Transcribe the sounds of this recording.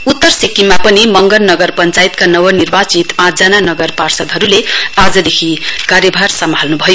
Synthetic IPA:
ut̪ːʌrsikːimapʌnimʌŋɡʌnnʌɡʌrpʌnt͡sajit̪kanʌwʌnirbat͡sit̪pãt͡sd͡zananʌɡʌrparsʌd̪ɦʌɾulead͡zʌd̪ekʰikaɾjʌbʱarsʌmbʱalnubʱʌjo

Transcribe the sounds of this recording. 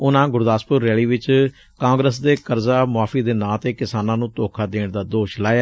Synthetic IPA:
ʊnãːɡʊɾd̪aːspʊɾːɛːɭiːʋɪt͡ʃ | kãːŋɡɾəsd̪eːkəɾzaːmʊaːfiːd̪eːnãːt̪eːkɪsaːnãːnũːt̪oːkʰaːd̪eːɳd̪aːd̪oːʃlaːjaː

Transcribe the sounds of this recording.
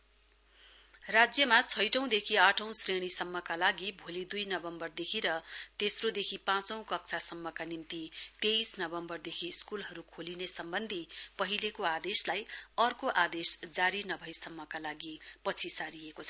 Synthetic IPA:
rad͡zjʌmat͡sʰʌjʈʌ̃w̃d̪ekʰiaʈʰʌ̃w̃sreɽ̃isʌmːʌkalaɡibʱolid̪ujnʌbʌmbʌrd̪ekʰiɾʌt̪esrod̪ekʰipãt͡sʌ̃w̃kʌkt͡sʰasʌmːʌkanimt̪it̪ejsnʌbʌmbʌrd̪ekʰiskulɦʌɾukʰolinesʌmbʌnd̪ʱipʌɦilekoad̪eslajʌrkoʔad̪esd͡zaɾinʌbʱʌjsʌmːʌkalaɡipʌt͡sʰisaɾiekot͡sʰʌ̥

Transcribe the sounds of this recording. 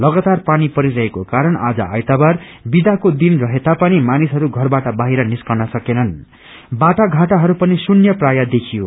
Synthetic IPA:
lʌɡat̪arpanipʌɾiɾʌɦekokaɾʌna̰d͡zʌ̰a̰jt̪abar | bid̪akod̪inrʌɦet̪apʌnimanisɦʌɾuɡʱʌrbaʈʌbaɦiɾʌniskʌrnʌsʌkenʌn | baʈaɡʱaʈaɦʌɾupʌnisunjʌprajad̪ekʰijo

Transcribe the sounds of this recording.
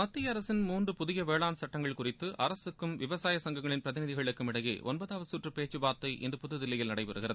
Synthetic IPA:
mɐt̪ːɪjɐɾɐsɪnmuːndrɯpʊðɪjɐʋeːɭaːnsɐʈːɐŋɡɐɭkʊrɪt̪ːɯʔɐɾɐsɯkːɯmʋɪʋɐsaːjɐsɐŋɡɐŋɡɐɭɪnpɪɾɐðɪnɪðɪɣɐɭɯkːɯmɪɽɐjḛːʔɔ̰nbɐðaːʋɐɯsuːʈrɯpeːt͡ʃːɯbaːt̪ːɐɪʔɛ̰ndrɯpʊðːɯðɪlːɐjɪlnɐɽɐɪpɛɾɯɣɪrɐðɯ

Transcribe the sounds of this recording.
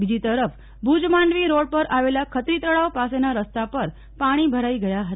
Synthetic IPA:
bid͡ʑit̪əɾəf | bʱud͡zmaɳɖʋiːɾoɽpəɾaʋeljakʰət̪ɾiːt̪əɭaʋpasenaɾəst̪apəɾ | paɽ̃iːbʱəɾaiɡəjaɦət̪a

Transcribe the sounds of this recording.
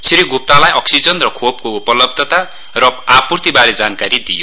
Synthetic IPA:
siɾiɡup̚t̪alajʌksid͡zʌnrʌkʰob̚koupʌlʌb̚d̪ʱʌt̪a | rʌapurt̪ibaled͡zankaɾid̪ijo

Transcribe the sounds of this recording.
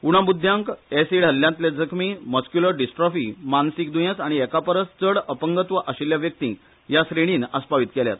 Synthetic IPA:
uɽ̃abud̪ʱjãŋkesiɽ̤ɦəljãnt̪led͡zəkʰmiməskjuləɾɖisʈɾɔfimansik̚d̪ujãt͡saɽ̃iɛkapəɾəst͡səɽəpəŋɡət̪ʋəʔəɕiljaʋjək̚t̪ḭ | jasɾiɽ̃iːnəspaʋit̪kɛlja̰t̪

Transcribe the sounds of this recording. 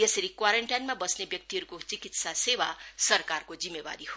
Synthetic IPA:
jesʌɾikwaɾeɳʈajnmabʌsnebjʌk̚t̪iɦʌɾukot͡sikit̪sasebasʌrkarkod͡zimːeba̰ɾiho

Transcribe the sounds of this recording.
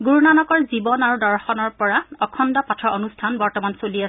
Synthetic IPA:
ɡuɹunanɔkɔɹzibɔnaɹudɔɹxɔnɔɹpɔɹaɔkʰɔndɔpatʰɹɔonustʰanbɔɹtɔmansoliasɛ

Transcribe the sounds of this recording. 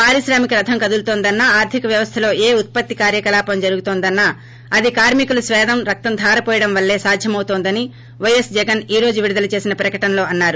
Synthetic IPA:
paːɾiʃɾaːmikɐɾɐd̪ʱʰɐmkɐd̪ult̪oːnd̪ɐnːaaːɾt̪ʰikɐʋjɐʋɐst̪ʰɐlo̞ːʔeːut̪̚pɐt̪ːikaːɾjɐkɐlaːpɐmd͡ʒɐɾuɡut̪oːnd̪ɐnːaː | ɐd̪ikaːɾmikulusʋɛːd̪ɐmɾɐk̚t̪ɐnd̪ʰʱaːɾɐpɔːjɐɽɐmʋɐlːe̞ːsaːd̪ʱjɐmɐwt̪oːnd̪ɐni | ʋɐjesd͡ʒɛɡɐniːɾo̞ːd͡ʒuʋiɽid̪ɐlɐt͡ʃe̞ːsinɐpɾɐkɐʈɐnɐlo̞ːɐnːaːɾu

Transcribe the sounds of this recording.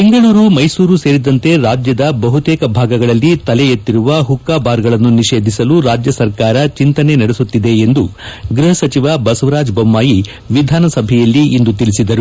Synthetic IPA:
piŋɡɐɭuːɾumɐjsuːɾuse̞ːɾid̪ɐnt̪e̞ɾaːd͡ʒjɐd̪ɐbɐɦut̪ɛːkɐbʱaːɡɐɡɐɭɐlːit̪ɐlejet̪ːiɾuʋɐɦukːaːbaːɾɡɐɭɐnːuniʃe̞ːd̪ʱisɐluɾaːd͡ʒjɐsɐɾkaːɾɐt͡ʃint̪ɐne̞nɐɽesut̪ːid̪e̞ːnd̪uɡɾuɦɐsɐt͡ʃiʋɐbɐsɐʋɐɾaːd͡ʒbɐmːaːji | ʋid̪ʱaːnɐsɐbʱɛjɐlːiːnd̪ut̪ilisid̪ɐɾu

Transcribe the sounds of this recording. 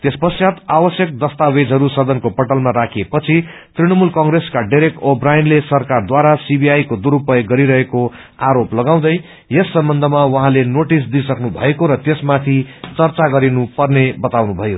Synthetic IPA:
t̪espʌsjat̪awʌsjʌk̚d̪ʌst̪awed͡zʱʌɾusʌd̪ʱʌnkopʌʈʌlmaɾakʰiepʌt͡sʰi | t̪riɽ̃ʌmulkʌ̃ŋɡreskaɖiɾek̚ʈobrajnlesʌrkard̪waɾasibiajkod̪uɾupʌjɡʌɾiɾʌɦeko | aɾoplʌɡaw̃d̪ʌj | jesːʌmbʌnd̪ʱʌmawʌɦãlenoʈis̬d̪isʌknubʱʌ̰ekoɾʌt̪esmat̪ʰit͡sʌrt͡saɡʌɾinupʌrnebʌt̪awnubʱʌjo

